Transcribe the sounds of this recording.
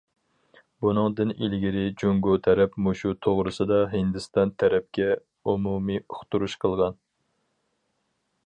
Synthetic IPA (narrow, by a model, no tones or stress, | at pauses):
bunɨŋd̪ɨnilɡʲiɾɪd͡ʒoŋɡot̪ʰæɾɛpmoʃut̪ʰoʁɾɨsɨd̪ɑɦɨnd̪ɨst̪ɑnt̪ʰæɾɛp̚kʲɛ | umumiʊχt̪uɾuʃqʰəlˠʁɑn